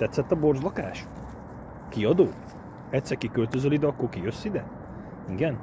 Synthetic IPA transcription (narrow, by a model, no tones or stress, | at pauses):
t̪ɛt̪sːɛt̪ːɒbo̞rzlɒkaːʃ | kiɒd̪oː | ɛt̪sːɛɾkikølt̪øzølid̪ɛɒkːo̞rkijøsːid̪ɛ | iɡɛn